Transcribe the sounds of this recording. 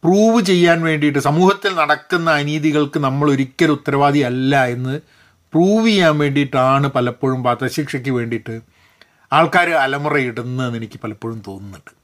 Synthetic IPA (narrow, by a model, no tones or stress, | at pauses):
pruːʋɨt͡ɕe̞jːaːnʋe̞ːɳɖijʈːɨsɐmuːhɐt̪ːilnɐɽɐkːunːɐːniːðiɣɐɭkɨnɐmːɐɭoɾukʲːɐɾut̪ːɐɾɐʋaːd̪iɐlːɐe̞nːɨ | pruːʋejaːnʋe̞ːɳɖijʈːɨaːɳɨpɐlɐpːo̞ːɻumpaːt̪ɐɕiːkʂɐk̬ʲːɨʋe̞ːɳɖiʈːɨ | aːɭkaːɾɨɐlɐmurɐjiɽunːɨnːenikʲːɨ̥pɐlɐpːo̞ːɻumt̪o̞ːnːunːuɳɖɨ̥